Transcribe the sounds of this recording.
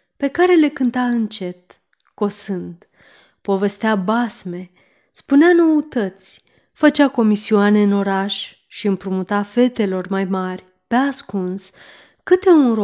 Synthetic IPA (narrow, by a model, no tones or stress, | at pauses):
pe̞kaɾe̞le̞kɨnt̪aɨnt͡ʃe̞t̪ | ko̞sɨnd̪ | po̞ve̞st̪eabasme̞ | spuneano̞ut̪ət̪sʲ | fət͡ʃako̞misioane̞ɨno̞ɾaʃ | ʃiɨmpɾumut̪afe̞t̪e̞lo̞rmajmarʲ | peaskuns | kɨt̪e̞unɾo